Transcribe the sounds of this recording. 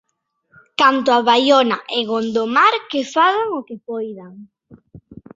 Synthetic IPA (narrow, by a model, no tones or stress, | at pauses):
kant̪ʊaβajonaʔeɣond̪omaɾkefaðaŋokepojðaŋ